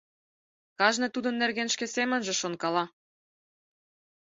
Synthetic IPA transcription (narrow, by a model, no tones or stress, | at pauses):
kɑʒnɤ̆t̪ud̪ɤ̆nːerɣenʃkĕsemə̆nʒĕʃonkɑlɑ